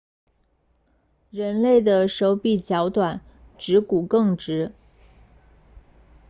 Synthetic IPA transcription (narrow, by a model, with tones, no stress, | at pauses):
ɻə˧˥nle˥˩ɪd̪ə˩ʂo˧˥ʊpi˨˩t͡ɕjɑ˧˥ʊt̪wa˨˩˦n | ʈ͡ʂɻ̩˧˥ku˨˩kɤ˥˩ŋʈ͡ʂɻ̩˧˥